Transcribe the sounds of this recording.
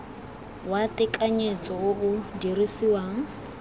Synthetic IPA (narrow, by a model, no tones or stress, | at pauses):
watɪkʼaɲet͡sʼɔʊudirisiwaŋ̩